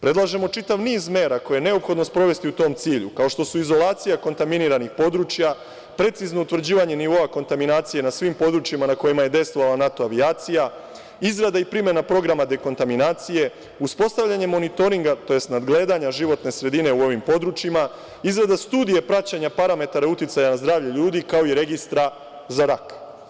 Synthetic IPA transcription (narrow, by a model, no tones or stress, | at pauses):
pɾe̞d̪lˠaʒe̞mo̞t͡ʃit̪aʋniːzmeːɾako̞jeene̞o̞pxo̞d̪nospɾo̞ʋe̞st̪iut̪o̞ːmt̪siːʎukao̞ʃt̪o̞suizo̞lˠaːt̪sijako̞nt̪aminiɾanixpo̞d̪ɾut͡ʃja | pɾe̞t̪sizno̞ut̪ʋr̩d͡ʑiːʋaɲe̞niʋo̞ako̞nt̪aminaːt̪sije̞nasʋimpo̞d̪ɾut͡ʃjimanako̞jimaje̞d̪e̞jst̪ʋo̞ʋalˠanat̪o̞aʋiaːt̪sija | izɾad̪aipɾime̞napɾo̞ɡɾamad̪e̞ko̞nt̪aminaːt̪sije̞ | uspo̞st̪aʋʎaɲe̞mo̞nit̪o̞ɾiŋɡat̪o̞je̞st̪nad̪ɡle̞ːd̪aɲaʒiʋo̞t̪ne̞sɾe̞d̪ine̞uo̞ʋimpo̞d̪ɾut͡ʃima | izɾad̪ast̪uːd̪ije̞pɾat͡ɕaɲapaɾame̞t̪aɾaut̪it̪sajanazd̪ɾaːʋʎeʎuːd̪ikao̞iɾe̞ɡist̪ɾa | zaɾak